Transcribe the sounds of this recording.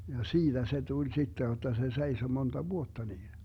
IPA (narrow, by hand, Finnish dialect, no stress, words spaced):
jɑ siːd̥æ se tulʲ sitːe jotːɑ se seiso montɑ ʋuotːɑ niːn